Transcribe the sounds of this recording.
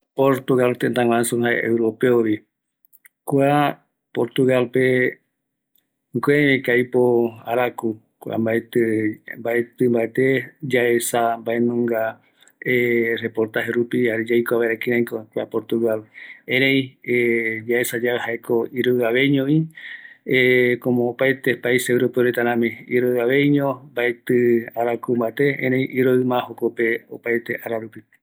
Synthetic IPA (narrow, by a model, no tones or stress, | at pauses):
poɾt̪uɣalt̪ent̪ãŋwãansõhaḛḛwɾopeoɾi | kwa | poɾt̪uɣalpe | ŋɡeβẽkajpoa̰ɾaku | kua̰mbaet̪mbaet̪ɨmbaet̪ed͡ʒaesambae̞nõŋɡa | ere̞poɾt̪aheɾupiaɾed͡ʒajkoaβaɾekĩɾãj̃kokʷeapo̞ɾt̪uɣalẽɾ̃ẽj̃ed͡ʒae̞sad͡ʒaehaekoiɾoɨaβe̞jɲõi | ekõmõːpajt̪epaisewɾopeoɾet̪aɾãmĩiɾoaβe̞jɲõmbaet̪ɨaɾakumbaet̪e̞ḛ̃ɾẽj̃ʔiɾoɨmãhokopeopajt̪eʔaɾaɾupi